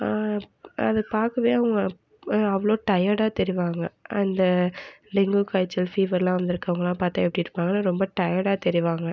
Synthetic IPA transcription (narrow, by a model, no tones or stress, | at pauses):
ɐðɯpaːɾkɐʋeːɐʋɐŋɡɐ | ɐʋɐɭoːʈɐjaɽaːt̪ɛɾɪʋaːŋɡɐɐnd̪ɐlɪŋɡukaːɪt͡ʃːɐlfiːʋɐɾlãːʋɐnd̪ɪɾɯkːɐʋɐŋɡɐlãːpaːɾt̪aːɛpːɐɽɪjɾɯpːaːŋɡɐnaɾɔmbɐʈɐjaɽaːt̪ɛɾɪʋaːŋɡɐ